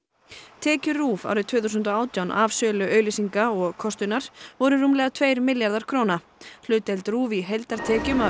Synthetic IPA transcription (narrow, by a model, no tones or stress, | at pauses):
t̪ʰɛːcʏruːva̰ːwɾɪðt̪ʰvʏːθusʏnt̪ɔaːwt̪jawnʔavsœːlʏʔœːɥlɪsiŋkaɔɣkʰɔst̪ʏnːaɾ̥vɔɾʏruːmlɛɣat̪ʰveːjɾmɪljaɾðaɾ̥kʰɾoːwna | hl̥ʏːt̪ɛlt̪ɾuːviɦejlt̪aɾ̥t̪ʰɛːcʏma